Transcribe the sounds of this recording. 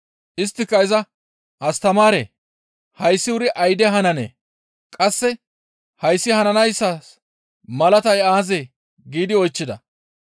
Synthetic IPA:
ʔɪs̬t̪ːɪkːɐɪzɐ | ʔɐst̪ɐmaːɾḛː | hɐjsːɪʊɾɪʔɐjd̪ɛɦɐnɐnḛː | kʼɐsːɛ | hɐjsːɪhɐnɐnɐjsːɐs | mɐlɐt̪ɐjaːzeː | ɡiːd̪ɪɔjt͡ʃːɪd̪ɐ

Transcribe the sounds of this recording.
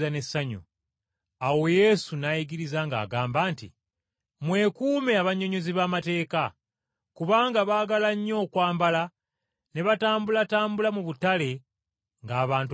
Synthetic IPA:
ane̞saɲṵ | awo̞je̞sunajiɡiɾizaŋɡa̰ːɡaːmbaːntḭ | mwe̞kuːme̞aβaɲːo̞ɲo̞ziβaːmate̞ːka | kuβaːŋɡaβaːɡalaɲːo̞ːkwaːmbala | ne̞βataːmbulataːmbulamuβutale̞ | ŋɡaːβaːnt

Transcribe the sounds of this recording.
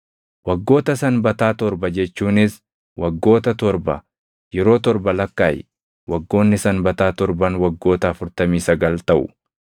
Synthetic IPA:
wɐɡːo̞ːt̪ɐsɐnbɐt̪aːt̪ɔɾbɐd͡ʒɛt͡ʃːuːnɪs | wɐɡːo̞ːt̪ɐt̪ɔɾbɐ̰ | jɛɾo̞ːt̪ɔɾbɐlɐkːaːjɪ | wɐɡːo̞ːnːɪsɐnbɐt̪aːt̪ɔɾbɐnwɐɡːo̞ːt̪ɐːfʊɾt̪ɐmiːsɐɡɐlt̪ɐʔʊ̰

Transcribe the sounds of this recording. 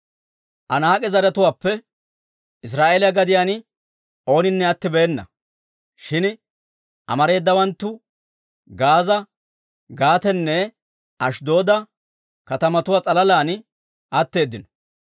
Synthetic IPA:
ʔɐnaːkʼɛzɐɾɛt̪ʊwaːpːɛ | ɪs̬ɾaːʔeːlɪjɐɡɐd̪ɪjaːn | o̞ːnɪnːɛɐt̪ːɪbɛːnːɐ̰ | ʃɪn | ʔɐ̰mɐɾe̞ːd̪ːɐwɐnt̪ːʊ | ɡaːzɐ | ɡaːt̪ɛnːɛ | ʔɐʃd̪o̞ːd̪ɐ | kɐt̪ɐmɐt̪ʊwaːt͡sʼɐlɐlaːn | ʔɐt̪ːe̞ːd̪ːɪnɔ̥

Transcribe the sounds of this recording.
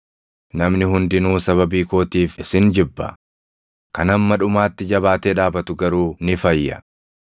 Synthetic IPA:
nɐmnɪɦʊnd̪ɪnuːsɐβɐbiːko̞ːt̪iːfɪsɪnd͡ʒɪbːɐ̰ | kɐnɐmːɐᶑʊmaːt̪ːɪd͡ʒɐβaːt̪eːᶑaːbɐt̪ʊɡɐɾuːnɪfɐjːɐ̰

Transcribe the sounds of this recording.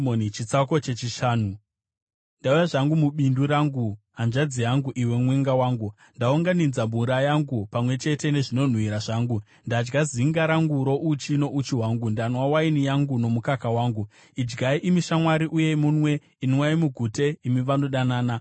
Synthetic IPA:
onit͡ʃit͡sako̞t͡ʃe̞t͡ʃiʃaːnu | ndaujaʐaŋɡumuɓinduɾaːŋɡuɦand͡ʒad͡zijaŋɡuʔiwe̞mweŋɡawaːŋɡu | ndauŋɡanid͡zamuɾajaŋɡupamwe̞t͡ʃe̞te̞ne̞ʐino̞n̤wiɾaʐaːŋɡu | ndad͡ʒɡaziŋɡaɾaŋɡuɾo̞ʔut͡ʃino̞ʔut͡ʃiwaŋɡundanwawainijaŋɡuno̞mukakawaːŋɡu | id͡ʒɡaiʔimiʃamwaɾiʔuje̞munwe̞ | iniwaimuɡʱute̞imiʋanoɗanaːna

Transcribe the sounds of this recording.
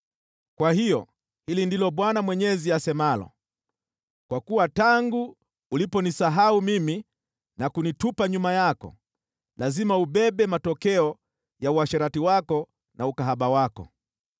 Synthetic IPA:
kwahijɔ | hilindilɔɓwanamwɛɲɛziasɛmalɔ̰ | kwakuwataŋɡuː | lipɔnisaɦaumimi | nakunitupaɲumajakɔ̰ | lazimauɓɛɓɛmatɔkɛɔ | jauaʃɛɾatiwakɔ | nʔaukaɦaɓawakɔ̰

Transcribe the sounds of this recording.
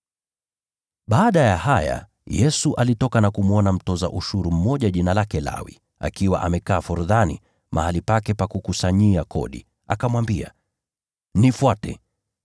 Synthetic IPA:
ɓaːɗajahaja̰ | jɛsuʔalitɔkanakumwɔnam̩tɔza̰ʔuʃuɾum̩mɔʄaʄinalakɛla̰wḭ | a̰kiwa̰ʔamɛkaːfuɾuðanḭ | mʔa̰halipakɛpakukusaɲiakʰɔ̰ɗḭ | akamwambia̰ | nifwatɛ

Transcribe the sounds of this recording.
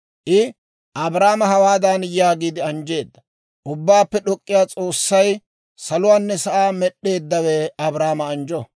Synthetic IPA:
ʔɪ | ʔɐbɾaːmɐɦɐwaːd̪anjaːɡiːd̪ɪɐnd͡ʒe̞ːd̪ːɐ | ʔʊbːaːpːɛɗɔkʼːɪjaːt͡sʼo̞ːsːɐj | sɐlʊwaːnːɛsɐʔaːmɛɗe̞ːd̪ːɐwɛɐbɾaːmɐːnd͡ʒɔ

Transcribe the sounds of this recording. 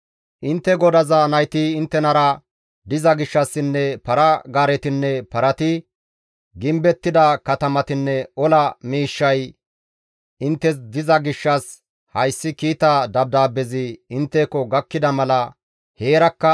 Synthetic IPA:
ʔɪnt̪ːɛɡɔd̪ɐzɐnɐjt̪ɪɪnt̪ːɛnɐɾɐ | d̪ɪzɐɡɪʃːɐsːɪnːɛpɐɾɐɡaːɾɛt̪ɪnːɛpɐɾɐt̪ɪ | ɡɪmbɛt̪ːɪd̪ɐkɐt̪ɐmɐt̪ɪnːɛɔlɐmiːʃːɐj | ɪnt̪ːɛs̬d̪ɪzɐɡɪʃːɐs | hɐjsːɪkiːt̪ɐd̪ɐb̚d̪aːbɛzɪɪnt̪ːeːkːɔɡɐkːɪd̪ɐmɐlɐ | he̞ːɾɐkːɐ

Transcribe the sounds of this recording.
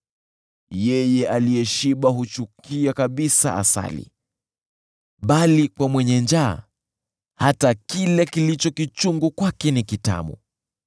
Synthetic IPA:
jɛjɛʔaliɛʃiɓaɦut͡ʃukiakaɓisa̰ʔa̰sa̰lḭ | ɓalikwamwɛɲɛnd͡ʒa̰ | hatakilɛkilit͡ʃɔkit͡ʃuŋɡukwakɛnikita̰ɓṵ

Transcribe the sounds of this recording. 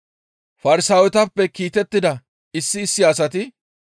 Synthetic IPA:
fɐɾɪsaːwɛt̪ɐpːɛkiːt̪ɛt̪ːɪd̪ɐ | ɪsːɪːsːɪɐsɐt̪ɪ

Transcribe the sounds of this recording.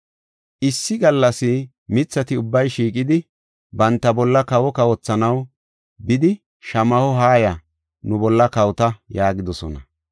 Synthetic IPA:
ʔɪsːɪɡɐlːɐsɪ | mɪt͡sːɐt̪ɪʊbːɐjʃiːkʼɪd̪ɪ | bɐnt̪ːɐbɔlːɐkɐwɔkɐwɔt͡sːɐnɐw | bɪd̪ɪ | ʃɐmɐhɔɦaːjɐ | nʊbɔlːɐkɐwt̪ɐjaːɡɪd̪ɔsɔnɐ̰

